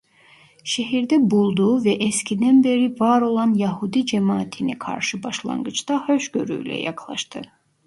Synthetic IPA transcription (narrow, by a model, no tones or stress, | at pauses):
ʃeɦiɾd̪ɛbulˠd̪uvɛʔescʲʰid̪ænbeɾivɑɾo̞lˠɑnjæɦud̪id͡ʒemɑːt̪ʰinɛkʰɑ̰ɾʃɯbɑʃlˠɑ̰ŋɡɯt͡ʃd̪ɑhøʃɡø̰ɾy̰jlɛ̰jɑ̰kʰlˠɑ̰ʃt̪ɯ